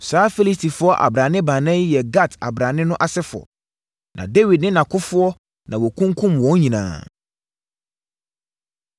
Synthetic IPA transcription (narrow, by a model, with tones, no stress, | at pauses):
saː˨˦fe˦li˦stʰi˨fʊ˦ɔ˦ʔa̰˨bɾã˨nɪ̃˦bã˨nã˦jɛ˨ɡa˦˨tʰa̰˨bɾã˨nɪ̃˦nʊ̃˦ʔa˨sɛ˦fʊ˨ɔ̰˨ | nʔã̰˨de˦wi˨dnɪ̃˦nã˨kʰʊ˦fʊ˦ɔ˦ | nã˨wɔ˨kʰũ˦ŋkʰũ˦mwɔ̃˨˦ɲĩ˨nã̰ː˨